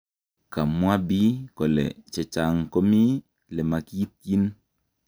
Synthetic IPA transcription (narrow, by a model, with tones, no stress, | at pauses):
ka˨mu˦a˦bi˦kɔ˨lɛ̰˨t͡ʃɛ˨t͡ʃa˨ŋko˦mi˦ | lɛ˨ma˨ki˦t̚ji˦n